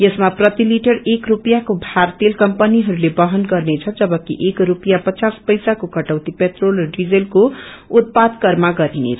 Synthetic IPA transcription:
jʌsmaprʌt̪iliʈʌrekrupjakobʱart̪elkʌmpʌniɦʌɾulebʌɦʌnɡʌrnet͡sʰʌd͡zʌbʌkḭʔekɾupjapʌt͡saspʌjsakokʌʈawt̪ipet̪rolrʌɖid͡zelkout̪̚pad̪kʌɾmaɡʌɾinḛt͡sʰ

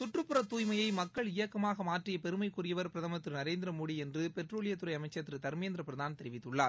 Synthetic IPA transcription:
sʊʈrɯpːɯɾɐt̪ːuːjmɐjɐɪmɐkːɐɭɪjɐkːɐmaːɣɐmaːʈrɪjɐpɛɾɯmɐɪkːuːɾɪjɐʋɐɾpɪɾɐðɐmɐt̪ːɾnɐɾeːnd̪ɪɾɐmuːɽiɛndrɯpɛʈroːɭɪjɐt̪ːʊɾɐɪɐmɐɪt͡ʃːɐt̪ːɾɯt̪ɐɾmeːnd̪ɪɾɐpɪɾɐðaːnt̪ɛɾɪʋɪt̪ːɯɭːaː

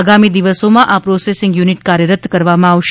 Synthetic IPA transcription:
ɡamid̪iʋəsomãʔapɾosesɪŋɡjuniʈkaɾjəɾət̪ʰkəɾʋamãaʋʃ

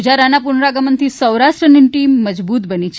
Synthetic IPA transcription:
d͡ʒaɾanapʊɳɾaɡəmənt̪ʰisəwɾaʃʈɾəniʈimːəd͡ʒbut̪bənit͡ʃʰ

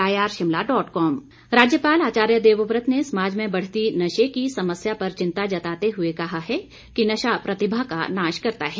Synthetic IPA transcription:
aːjaːɾʃɪmlaɖɔːʈkɔːm | ɾaːd͡ʒjəpaːlaːt͡ʃaːɾjəd̪eːʋʊpɾət̪nesɐmaːd͡ʒmẽbɐɽ̤t̪inɐʃekisɐməsjapɐɾt͡ʃɪ̃nt̪ad͡ʒɐt̪aːt̪eɦʊekɐɦaɦɛ | kinɐʃapɾɐt̪ɪbʱakanaːʃkɐɾt̪aɦɛː

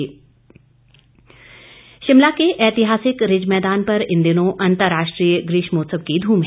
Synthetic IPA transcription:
ʃɪmlakeʔɛːt̪ɪɦaːsɪkɾɪd͡ʒmɛːd̪aːnpɐɾɪ̃nd̪ɪnõʔɐ̃nt̪əɾːaːʃʈɾiːjəɡɾiːʃmoːt̪səb̚kid̪ʱuːmɦ

